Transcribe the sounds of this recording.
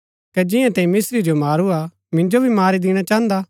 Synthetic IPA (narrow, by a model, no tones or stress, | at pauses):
kɛd͡ʒɪjãt̪ɛ̃ĩmɪsɾid͡ʒomaːɾua | mɪ̃nd͡ʒobʱimaːɾid̪ɪɽ̃at͡ʃãːnd̪a